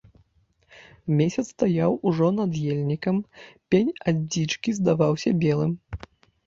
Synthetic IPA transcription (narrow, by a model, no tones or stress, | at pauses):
mʲesʲɐt̪st̪ajawuʐɔnɐd̪jelʲnʲikɐmpʲenʲad͡zʲit͡ʂkʲizd̪avawsʲɐbʲɛlˠɨm